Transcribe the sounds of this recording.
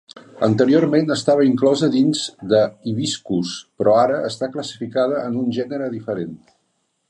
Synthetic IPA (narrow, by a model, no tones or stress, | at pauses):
ənt̪əɾiormenəst̪aβəiŋklɔzəðinzd̪əiβiskuspɾɔaɾəəst̪akləsi̥fikað̞əənunʒɛnəɾəðifəɾen